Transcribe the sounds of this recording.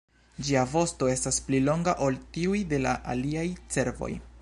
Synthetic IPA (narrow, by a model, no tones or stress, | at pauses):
d͡ʒiavo̞sto̞e̞stasplilo̞ŋɡaʔo̞ltiujde̞laʔa̰liajt͡se̞ɾvo̞̰j